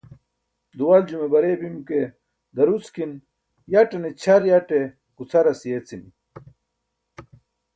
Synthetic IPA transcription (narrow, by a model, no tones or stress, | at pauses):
d̪uwald͡ʑumebɐɾebimke | d̪ɐɾut͡skin | jɐʈenet͡ɕʰɐɾjaʈe | kut͡sʰɐɾɐsijet͡sini